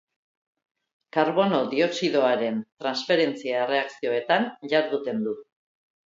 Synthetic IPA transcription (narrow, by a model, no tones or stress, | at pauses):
kaɾβo̞no̞ðio̞siðo̞aɾe̞nt̪ɾansfe̞ɾe̞nt͡siaere̞aksio̞e̞t̪anʝaɾðut̪e̞nd̪u